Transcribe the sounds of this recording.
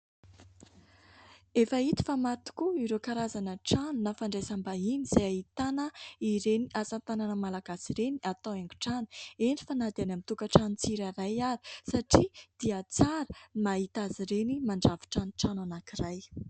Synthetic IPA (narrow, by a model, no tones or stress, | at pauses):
efait̪i̥famat̪u̥kuiɾekaɾazanəʈ͡ʂanunafaɳɖ͡ʐesambainiz̥ajait̪anəiɾeniʔazant̪ananəmalaɡasiɾeniat̪aweŋɡu̥ʈ͡ʂanu̥eɳɖ͡ʐifanad̪anamit̪ukaʈ͡ʂanut͡siɾaɾajaɾi̥saʈ͡ʂid̪̥iat͡saɾəmaɦit̪aziɾenimaɳɖ͡ʐavi̥ʈ͡ʂanuʈ͡ʂananakiraj